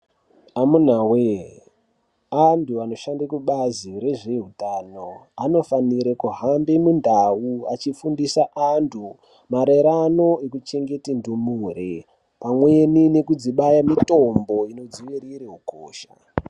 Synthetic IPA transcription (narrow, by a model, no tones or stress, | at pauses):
amun̤awe | antʰuano̞ʃandakuɓaziɾe̞ʐeɦutaːnoano̞faniɾekuɦambemundʱawuat͡ʃifundisaʔantʰu | maɾeɾano̞ekut͡ʃe̞ŋɡe̞tindumuɾe | pamwe̞nine̞kud͡ziɓajamito̞mbo̞ino̞d͡ziʋiɾiɾeɦuko̰ːʃa̰